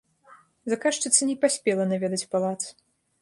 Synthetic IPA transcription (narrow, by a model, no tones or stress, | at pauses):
zakaʂt͡ʂɨt̪sːɐnʲɛpasʲpʲɛlˠɐnavʲɛd̪ɐt͡sʲpalˠat̪s